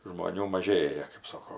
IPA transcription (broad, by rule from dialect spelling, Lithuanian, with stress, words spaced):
ʒmoːˈnʲuː mɐˈʒʲeːjɛ kɜp ˈsoːkoː